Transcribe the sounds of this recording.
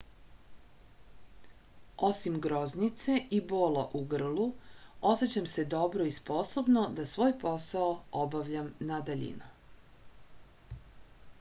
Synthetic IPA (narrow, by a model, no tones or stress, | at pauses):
o̞simɡɾo̞znit̪se̞ʔiboːlaʔuɡr̩lˠuo̞set͡ɕamse̞d̪o̞bɾoispo̞sobnod̪asʋo̞ːjpo̞saoobaʋʎamnad̪aʎḭnu